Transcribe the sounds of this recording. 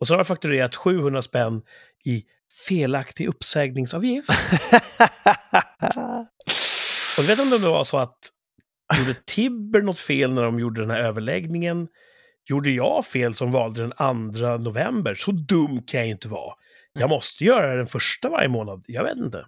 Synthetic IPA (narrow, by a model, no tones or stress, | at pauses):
ɔsɛnhaɾɛfakt̪ɵɾeːɾat̪ɧʉ̟ːhɵnd̪ɾaspɛnː | ɪ | feːlakt̪ɪʔɵpːsɛːɡnɪŋsɑːvjɪft̪ | ɔd̪veːt̪ɔmd̪ɛmd̪ɛva̰ʂɔat̪ | uːɖət̪ʰɪbːəɳɔt̪ːfeːlnæɖɔmjuːɖəd̪ɛnhæɾøːvəɭɛ̰ɡnɪŋən | juːɖəjɑ̰ːfeːlsɔmvɑːld̪əd̪ɛnand̪ɾanʊvɛmbəɾʂɔd̪ɵmːkʰãnjajɪnt̪əvɑ̰ː | jɑːmɔst̪əjœːɾadd̪ɛnfœʂʈava̰ɾjəmoːnad̪jɑvḛːt̪ɪnt̪ə̰